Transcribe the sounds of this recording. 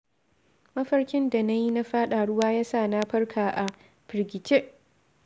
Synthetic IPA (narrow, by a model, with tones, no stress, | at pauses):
mɐ˦ɸɐ˦rkʲɪ˦nda˨na˦ji˦na˦ɸaː˦ɗaː˨ɽʊ˦waː˦jaː˦saː˦˨na˦ɸɐ˦rkʰaː˨ʔa˨ | ɸɪ˨ɾɡʲɪ˨t͡ʃe˦ʔ